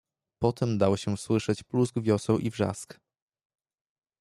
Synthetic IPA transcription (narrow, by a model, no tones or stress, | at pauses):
pɔt̪ɛmd̪awɕɛswɘʂɛt͡ɕpluzɡvʲjɔsɛwʔivʐa̰sk